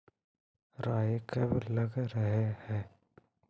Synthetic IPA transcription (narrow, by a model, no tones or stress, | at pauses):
ɾaːjekɐblɐɡɾəɦehɛː